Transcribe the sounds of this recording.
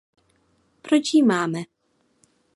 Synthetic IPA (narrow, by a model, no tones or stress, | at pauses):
pɾot͡ʃjimaːmɛ